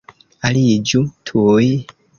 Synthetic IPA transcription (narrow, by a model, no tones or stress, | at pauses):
alid͡ʒutʰuji